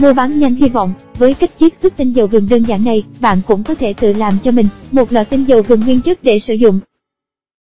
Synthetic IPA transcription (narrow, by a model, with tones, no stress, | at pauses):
mo˧ɓaː˨˦nɲa˧jŋ̟hi˧vɔ̰˧˨wŋ͡m | vəː˨˦jka˦˥k̚t͡ɕi˦˥p̚swə˦˥t̚t̪ï˧ŋzə˨˩wvɨ˨˩ŋɗəː˧nzaː˧˩nːa˨˩jɓa̰ː˧˨nkʊ̰˧˥ŋ͡mkɔ˨˦t̪ʰe˧˩t̪ɨ̰˧˨laː˨˩mt͡ɕɔ˧mï˨˩ŋ̟mo˨˩t̚lwa̰˧˨jt̪ï˧ŋ̟zə˨˩wvɨ˨˩ŋhwi˧nt͡ɕɨ˦˥t̚ɗe˧˩sɨ̰˧˩zʊ̰˧˨ŋ͡m